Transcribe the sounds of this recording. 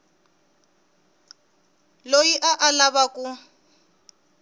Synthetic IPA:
lojiʔaʔalaβakʼu

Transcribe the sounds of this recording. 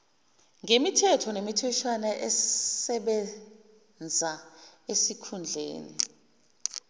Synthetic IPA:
ŋemitʰɛtʰɔnemitʰɛt͡ʃʰwanaʔɛsɛɓɛ | nd͡zʱaesikʰund͡ɮʱḛːnḭ

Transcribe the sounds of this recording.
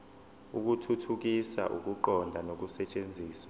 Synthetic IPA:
ṵk̬utʰutʰuk̬isa̰ʔṵk̬uǃɔndʱanok̬usɛt͡ʃʼend͡zʱiːswa

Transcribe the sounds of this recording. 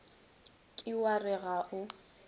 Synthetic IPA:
kʼɪwarɪɣaʔʊ

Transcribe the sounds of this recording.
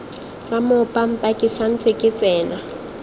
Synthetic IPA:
ramʊpʼam̩pʼakʼɪsan̩t͡sʼɪkʼɪt͡sʼɛːna

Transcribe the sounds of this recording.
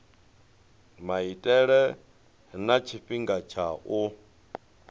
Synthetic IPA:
maitʼɛɺɛ | ɦnat͡ʃʰiɸiŋɡat͡ʃʰaʔu

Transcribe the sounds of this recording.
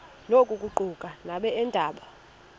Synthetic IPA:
lokʼukʼuǃukʼanaɓɛɛndʱaːɓa

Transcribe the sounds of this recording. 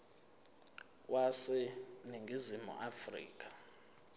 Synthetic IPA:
wasɛniŋɡʱizimṵʔafrḭːkʼḁ

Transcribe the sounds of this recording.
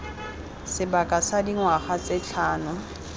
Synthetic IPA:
sɪbakʼasadiŋwaχat͡sʼɪt͡ɬʰaːnʊ

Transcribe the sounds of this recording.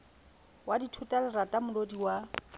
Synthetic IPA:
waditʰʊtʼalɪratʼamʊlodiwa

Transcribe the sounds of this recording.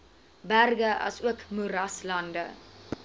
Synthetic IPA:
bærɡəʔɐ̰suəkmuɾɐslɐndə̰

